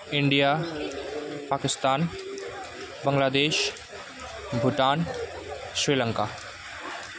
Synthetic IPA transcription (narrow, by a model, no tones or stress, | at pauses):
ɪɳɖija | paːkɪst̪aːn | bəŋlaːd̪eːʃ | bʱʊʈaːn | sɾiːlə̃ŋka